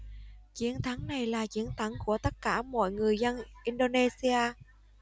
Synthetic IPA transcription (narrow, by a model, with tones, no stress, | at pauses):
t͡ɕi˨˦ənt̪ʰa˨˦ŋna˨˩jlaː˨˩t͡ɕi˨˦ənt̪ʰa˨˦ŋku˧˩ət̪ə˦˥t̚kaː˧˩mɔ̰˧˨jŋɨ˨˩əjzə˧nʔi˧nɗo˧ne˧si˧aː˧